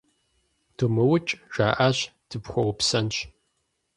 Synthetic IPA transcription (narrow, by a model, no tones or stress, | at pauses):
tʰɨmɨwʊt͡ʃʼʒ̥aːʔaɕtʰɨpxʷɔwpsɐnɕ